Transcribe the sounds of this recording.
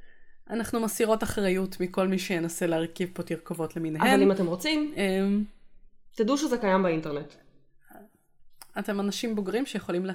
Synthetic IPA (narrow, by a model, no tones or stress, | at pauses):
ʔanaχnumasiʁo̞taχʁajutmiko̞lmiʃejenaseleaʁkivpotiʁkovo̞tleminɦaevalimatemʁot͡simem | t̪aduʃezekajambainteʁnet | ate̞manaʃimboɡʁimʃejeχo̞limle